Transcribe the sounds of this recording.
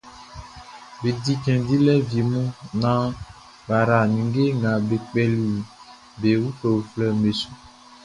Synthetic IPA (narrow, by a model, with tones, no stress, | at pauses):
be˨di˦kɛ̃˨di˦lɛ˦vi˨mũ˦nã˦ | ba˨ɾa˨nĩ˨ŋɡe˦ŋɡã˨be˨k͡pɛ˨li˨ | be˨wu˦to˨wflɛ˦˨me˨su˦